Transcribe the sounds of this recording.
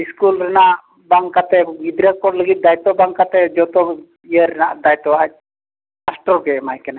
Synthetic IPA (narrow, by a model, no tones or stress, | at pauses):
iskulɾɛnaʔ | baŋkat̪ɛɡid̪ɾakɔɽləɡit̪̚d̪ajt̪ɔbaŋkat̪ɛd͡ʒɔt̪ɔ | ijəɾɛnaʔd̪ajt̪ɔa | asʈɔɾɡɛmajkɛna